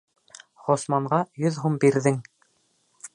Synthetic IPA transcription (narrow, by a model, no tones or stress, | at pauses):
ʁŏsmɑɴʁɑjɵðɦumbiɾðɘŋ